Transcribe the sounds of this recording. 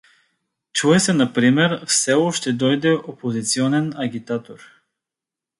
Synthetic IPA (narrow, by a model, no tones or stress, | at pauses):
t͡ʃuɛsɛnɐpɾimɛɾfsɛɔʃt̪ɛd̪ɔjd̪ɛʔopozit̪siɔnɛnɐɡʲit̪at̪oɾ